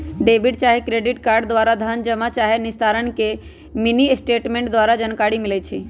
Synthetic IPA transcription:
ɖebiɖt͡ʃaːɦikɾeɖiʈkaːɾɖd̪ʋaːɾad̪ʱənd͡ʒəmat͡ʃaːɦenɪst̪ʰaɾənke | minisʈeʈmẽɳʈ̚d̪ʋaːɾad͡ʒənkaɾimilɛt͡ʃʰi

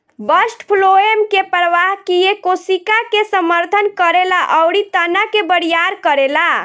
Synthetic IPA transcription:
bəsʈpʰloemkepɾəʋaɦkijekosikakesəməɾt̪ʰənkəɾelaʔəwɽit̪ənakebəɽijaɾkəɾela

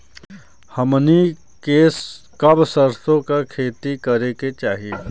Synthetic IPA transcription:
hɐmni | kes | kɐbsəɾt̪õkakʰeːt̪ikɐɾeket͡ʃaːɦieː

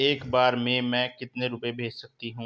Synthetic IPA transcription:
eːkbaːɾmẽmɛ̃kɪt̪neɾʊpebʱeːd͡ʒsɐk̚t̪iɦũː

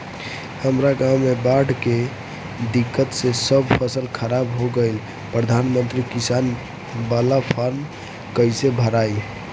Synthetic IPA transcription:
həmɾaɡamːebaɽke | d̪ikːət̪sẽsəbpʰəsəlkʰəɾabɦoɡəl | pɾəd̪ʱanmənt̪ɾikisan | balapʰaɾm | kəjsebʱəɾaj

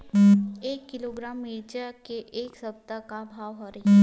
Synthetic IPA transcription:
eːkːɪloːɡɾaːmːeːd͡ʒəkeʔeːksɐb̚t̪akabʱaːʋɦɐɾi

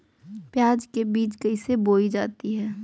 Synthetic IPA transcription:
pjaːd͡ʒkebiːt͡ʃkəiseboːid͡ʒaːt̪iɦɛː

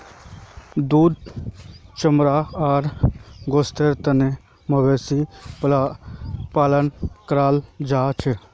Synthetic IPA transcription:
d̪uːd̪̚ | t͡ʃəmɾaːaːɾɡoːst̪eːɾt̪ɐne | mɐbeːsi | paːlənkɾaːld͡ʒaːt͡ʃʰ

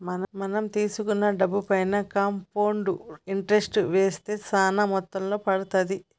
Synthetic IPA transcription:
mɐnmɐnɐmt̪iːsukunːɐɖɐbːupɐjnɐkɐmpoːɳɖuiɳʈɐɾesʈuʋeːst̪e̞ːsaːnɐmɔt̪ːɐmlo̞ːpɐɽut̪ɐd̪i

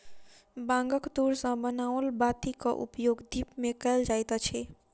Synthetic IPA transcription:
bãŋɡəkt̪uɾsə̃bənaʋəlbat̪ikəʔṵpjoɡd̪ipmekəld͡ʒajt̪t͡ʃʰɛ

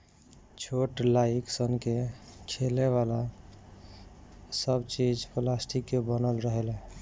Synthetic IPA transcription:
t͡ʃʰoʈlaiksənkekʰeleβala | səbt͡ʃid͡ʒplasʈʰikːebənəlɾəɦele

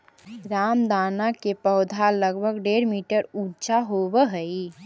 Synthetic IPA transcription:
ɾaːmd̪aːnakepəʊd̪ʱaləɡbʱəɡɖeːɾmiːʈəɾuːt͡ʃaɦobəɦəi

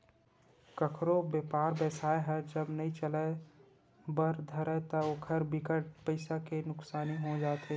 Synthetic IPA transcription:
kɐkʰɾobeːpaːɾbɛːsaːeɦɛd͡ʒɐbnɐĩt͡ʃələ | bəɾd̪ʱɐɾət̪ɐokʰəɾbikəʈ̚pəɪsakenʊksaːniɦod͡ʒaːt̪ɦeː

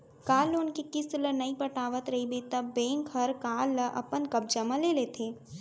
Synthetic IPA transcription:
kaːlonkekɪslənɐipɐʈaːʋət̪ɾɐɦibet̪ɐbːẽːŋkɦɐɾkaːləʔɐ̰pənkɐb̚d͡ʒɐmãleːleːt̪ʰeː

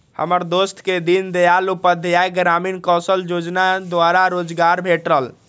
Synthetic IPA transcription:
hə̰məɾd̪ost̪ʰked̪ind̪ejalupəd̪ʱjajɡɾaminkɔsəljod͡ʒnad̪waɾaɾod͡ʒɡaɾbʱeʈɾəl

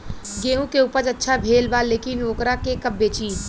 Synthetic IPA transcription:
ɡeːũkeupəd͡ʒətːʃʰabʱeːlbaleːkinoːkɾakekəbːet͡ʃi

